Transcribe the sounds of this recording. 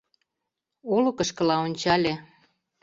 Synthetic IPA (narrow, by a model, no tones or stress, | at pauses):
olokə̆ʃkə̆lɑonʲt͡ɕɑlʲe